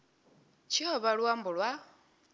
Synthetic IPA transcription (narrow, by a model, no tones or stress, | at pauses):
t͡ʃʰihɔβaɺwaːmbuɺwa